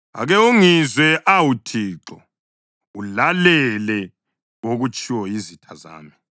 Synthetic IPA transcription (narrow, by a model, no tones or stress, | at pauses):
a̰ɣɛoŋizwɛʔawutʰiːǁɔ | ulalɛlɛ | oɣut͡ʃʼiwɔjizitʰaza̰ːmi